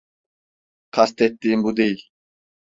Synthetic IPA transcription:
kʰast̪ʰet̪ːimbud̪ij

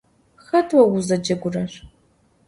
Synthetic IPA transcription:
xɐtʰʼwɐwʊzɐd͡ʒɐɡʷʊrɐr

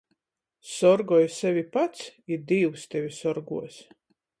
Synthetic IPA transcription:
sɔɾɡɔjsɛvʲipat̪siɾd̪iːwst̪ɛvʲisɔɾɡuɔs

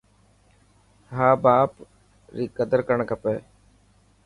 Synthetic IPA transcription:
ɦaːbaːp | ɾiːkəd̪əɾkəɳkəpeː

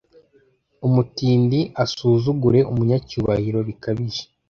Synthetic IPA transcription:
umutiːndiʔasuːzuɡuɾe̞ʔumuɲacuβahiɾo̞βikaβiʒe̥

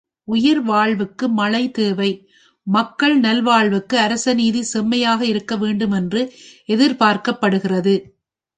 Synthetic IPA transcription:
ʊjɐɾʋaːɭʋɯkːɯmɐɭɐɪt̪eːʋɐɪ | mɐkːɐɭnɐlʋaːɭʋɯkːɯɐɾɐsɐniːðisɛmːɐjaːɣɐɪɾɯkːɐʋeːɳɖɯmɛndrɯɛðɪɾpaːɾkɐpːɐɽɯɣɪrɐðɯ

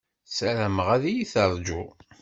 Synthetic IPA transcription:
sæɾæməʁæðijiθəɾˤd͡ʒu

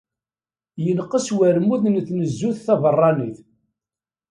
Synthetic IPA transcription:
jənqːəswæɾmuðnθnəzːuθθɑvərˤːɑniθ

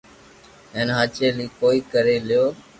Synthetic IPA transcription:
eːnɦaːt͡ʃeːlĩːkoːiːkəɾeːlɪjoː

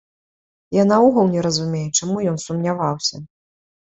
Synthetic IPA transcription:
janauɣəlˠnʲɛɾɐzumʲejɛt͡ʂamujɔnsumnʲavawsʲɐ

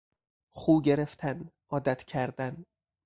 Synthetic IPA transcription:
χuːɟe̞ɾe̞ft̪ʰænʔɒːd̪æt̪ʰcʰæɾd̪æn

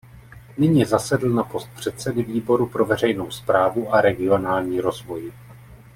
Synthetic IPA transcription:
nɪɲɪzasɛdl̩napo̞st̪̚pr̝̥ɛt̪sɛdɪviːbo̞ɾupɾo̞vɛr̝ɛjno̞wspɾaːvuʔaɾɛɡɪo̞naːlɲiːɾo̞zvo̞j

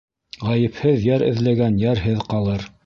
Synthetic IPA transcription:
ʁæjɘ̆phɘðjæɾɘ̰̆ðlæɡænjæɾɦɘðqɑlˠɤɾ

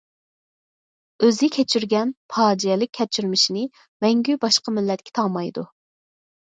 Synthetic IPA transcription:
øzɪkʲʰɛt͡ʃʰyɾɡʲɛnpʰɑːd͡ʒiɛlɪk̚ʲʰːɛt͡ʃʰyɾmɪʃinɪ | mɛŋɡʲybɑʃqɑmɪlːɛt̪̚kʲʰɛ̥t̪ʰɑmɑjd̪u

